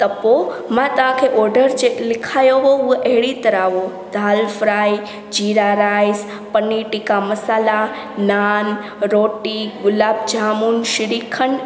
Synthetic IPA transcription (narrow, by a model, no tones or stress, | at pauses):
t̪əpo | mãt̪ãkʰeʔɔɾɖəɾd͡ʒelɪkʰajoʋouʔɛɦɭit̪əɾaʋo | d̪ʱalfɾaj | d͡ʒiɾaɾajs | pənːiʈikaməsaːla | nan | ɾoʈiɡʊlab̚d͡ʒamunʃɪɾikʰəɳ